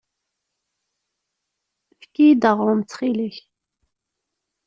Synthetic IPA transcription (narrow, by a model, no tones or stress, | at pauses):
fə̥kːid̪əʁʊmt͡sːχiliç